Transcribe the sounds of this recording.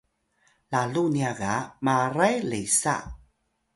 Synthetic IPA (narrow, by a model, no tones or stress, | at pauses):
laluniaɣamaɾajlejsa̰